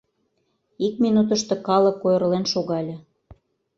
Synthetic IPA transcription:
ik̚minut̪ə̆ʃt̪ɤ̆kɑlɤ̆kːojərlenʃoɣɑlʲɤ̆

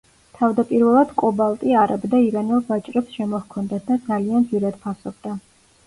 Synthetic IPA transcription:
t̪ʰavd̪apʼiɾvɛlˠad̪̥kʼɔbalˠt̪ʼiaɾabd̪aiɾanɛlˠbat͡ʃʼɾɛpsʃɛmɔhkʰɔnd̪at̪̚ʰd̪ad̪zaliand̪ziɾad̪̥pʰasɔb̚d̪a

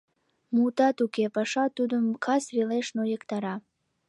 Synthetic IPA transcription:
mut̪ɑt̪ukepɑʃɑt̪ud̪əmkʰɑsrileʃnojəkt̪ɑɾɑ

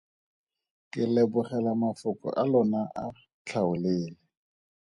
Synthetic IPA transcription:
kʼɪlɛbʊχɛlamafʊkʼɔ̰ʔalɔnaʔa | t͡ɬʰaʊleːlɛ

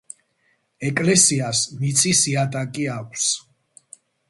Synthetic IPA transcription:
ɛkʼlɛsiasmit̪sʼisiat̪ʼakʼiakʷʰs

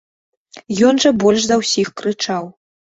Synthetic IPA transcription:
jɔnʐɐbɔlʲʂd̪ɐwsʲixkɾɨt͡ʂaw

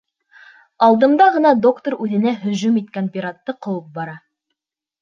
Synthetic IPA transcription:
ɑlˠd̪ɤ̆md̪ɑʁɤ̆nɑd̪o̞kt̪oɾʉðɘ̆næɦɵ̆ʑʉmit̪̚kænpʲiɾat̪ːɤqɤ̆wɤp̚bɑɾɑ

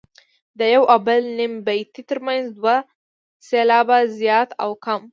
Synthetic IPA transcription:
d̪əjawʔabəlnimbajt̪it̪əɾmanzd̪wa | selɑbazjɑt̪a̰wkam

